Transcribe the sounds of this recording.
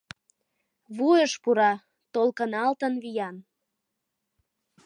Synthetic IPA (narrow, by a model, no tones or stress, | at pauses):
βujəʃpuɾɑ | t̪olkənɑlt̪ənβijɑn